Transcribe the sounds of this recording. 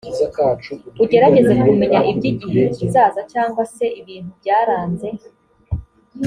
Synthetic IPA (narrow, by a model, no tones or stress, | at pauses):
uɟe̞ɾaɟe̞ze̞kume̞ɲaʔibɟiɟiɦeizaːzat͡ʃaːŋɡwase̞iβiːn̥hubɟaːɾaːnze̞